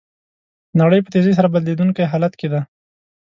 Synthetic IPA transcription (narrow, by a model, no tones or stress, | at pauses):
naɽəjp̬ət̪ezes̬aɾabad̪led̪uŋkajɦɑlat̪ked̪a